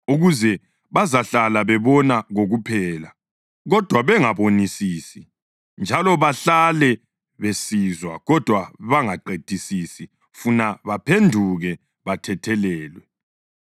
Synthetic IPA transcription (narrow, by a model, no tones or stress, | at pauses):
uɣuzɛ | βazaɬalaβɛβɔnaɣoɣupʰɛːla | ɣɔd̥ʱwaβɛŋaβonisiːsi | nd͡ʒʱalɔβaɬalɛ | βesizwaɣɔd̥ʱwaβaŋaǃed̥ʱisisi | funaβapʰendʱuɣɛ | βatʰɛtʰɛlɛːlwɛ